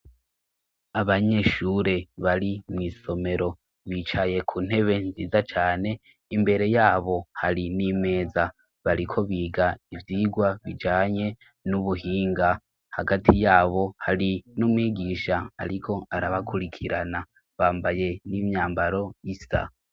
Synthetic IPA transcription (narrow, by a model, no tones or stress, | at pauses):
aβaɲe̞ʃuɾe̞βaɾimŋiːso̞me̞ɾo̞ | βiːt͡ʃaje̞kʰuːn̥e̞βe̞nziːzat͡ʃaːne̞ | imbe̞ɾe̞jaːβo̞haɾinime̞ːza | βaɾikʰo̞βiːɡaivjiːɡwaβid͡ʒaːɲe̞ | nuβuɦiːŋɡa | haɡatʰijaːβo̞haɾinumŋiːɡiːʃaa̰ɾikʰo̞aɾaβakʰuɾikʰiɾana | βaːmbaje̞nimɲaːmbaɾo̞isa̰